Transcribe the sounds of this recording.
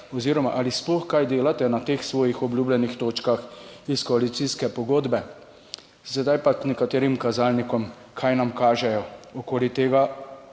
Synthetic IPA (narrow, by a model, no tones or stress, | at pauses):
ɔziːɾɔmaʔalisplɔxkajd̪eːlat̪ɛnat̪eːxsʋɔːjixɔbljuːblɛnixt̪oːt͡ʃkaxiskɔalit̪siskɛpɔɡoːd̪bɛ | sɛd̪ajpaknɛkat̪eːɾimkazaːlnikɔm | kʰajnamkaːʒɛjɔɔkoːlit̪eːɡa